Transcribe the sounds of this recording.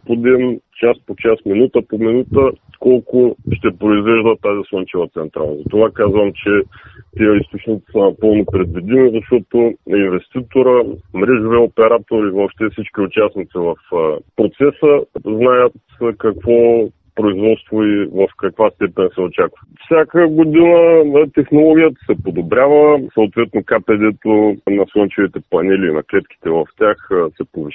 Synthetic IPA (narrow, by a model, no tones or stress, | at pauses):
pod̪int͡ʃaspot͡ʃasminut̪əpominut̪ə | kɔlˠkʊʃt̪ɛpɾoizvɛʒd̪ət̪ːazisˠɔnt͡ʃɛvət̪sɛnt̪ɾa̰lˠnzɐt̪ovakazvəmt͡ʃɛt̪ijəist̪ot͡ʃnit̪i̥sənɐpɤlˠnopɾɛd̪vid̪imizɐʃt̪ɔt̪ʊinvɛst̪it̪oɾəmɾɛʒʊviopɛɾat̪oɾivɔpʃt̪ɛfsit͡ʃkʲiʊt͡ʃasnit̪sivɐfpɾot̪sɛsəznajət̪ | kɐkvɔ | pɾoizvɔt̪st̪voivəfkɐkvast̪ɛpɛnsɛʊt͡ʃakvɐfsʲakəɡod̪inət̪ɛxnolˠɔɡʲijət̪ə̥sɛpod̪obɾʲavəsɐʊt̪vɛt̪nokapɛd̪ɛt̪onɐsˠɔnt͡ʃɛvit̪ɛpɐnɛliːnɐklɛt̪kʲi̥t̪ɛvɐft̪ʲaxsɛpoviʃ